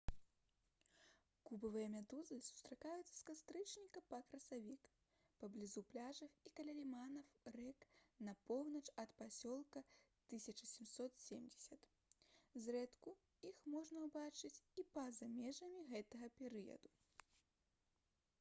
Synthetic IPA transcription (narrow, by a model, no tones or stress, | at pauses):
kubɐvɨjɐmʲad̪uzɨsu̥st̪ɾakajut̪sɐ̥skast̪ɾɨt͡ʂnʲikɐpɐkɾɐsavʲik | pɐblʲizuplʲaʐɐfikɐlʲalʲimanɐwrɛknɐpɔwnɐt͡ʂɐt̪pasʲɔlˠkɐt̪ɨsʲɐt͡ʂɐsʲimsɔt̪sʲemd͡zʲɛsʲɐt̪ | zrɛt̪ku | ixmɔʐnɐwbat͡ʂɨt͡sʲipɐzamʲɛʐɐmʲiɣɛt̪ɐɣɐpʲɛɾɨjɐ̰d̪u